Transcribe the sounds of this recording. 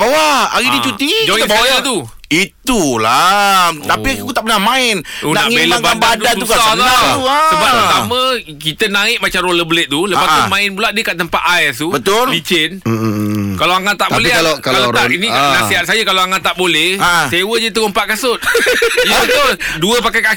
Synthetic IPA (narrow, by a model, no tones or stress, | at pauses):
bawaaɣidit͡ʃut̪ikd͡ʒaibaajat̪u | it̪ulat̪apikut̪aʔpənahmãɪnunaaŋieəŋbaanbadasuukaauasəbapət̪amə̃ | kit̪ənãɪk̚mat͡ʃamɾoləbələt̪̚t̪uləpat̪ʊmãɪnpulaʔ̪̚diəkaʔt̪əmpat̪ajst̪ubət̪ʊlbit͡ʃɪn | kaloaŋat̪t̪ːaʔb̪olɛalkaalaainĩnasiɦat̪̚sajəkalaaŋat̪ːaʔbolɛhsewəd͡ʒət̪uəmpaʔ̪̚kasʊt̪̚ibət̪olduəpakajka